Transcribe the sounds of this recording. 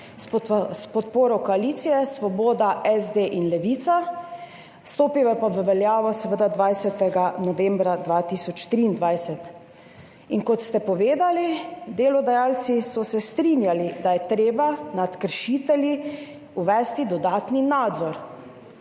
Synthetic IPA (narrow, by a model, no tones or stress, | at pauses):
sspɔt̪poːɾɔkɔaliːt̪sijɛsʋɔboːd̪aʔɛzd̪eːʔinlɛʋiːt̪sa | st̪oːpiʋɛpaʋəʋɛljaːʋɔsɛʋəd̪ad̪ʋajsɛt̪ɛɡanɔʋɛ̃mbɾad̪ʋaːt̪isɔt͡ʃt̪ɾiːnd̪ʋajsɛt̪ | inkɔt̪st̪ɛpɔʋeːd̪alid̪eːlɔd̪ajaːlt̪sisɔsɛst̪ɾinjalid̪ajɛt̪ɾeːbanat̪kəɾʃit̪ɛlji | uʋɛːst̪id̪ɔd̪aːt̪ninaːd̪zɔɾ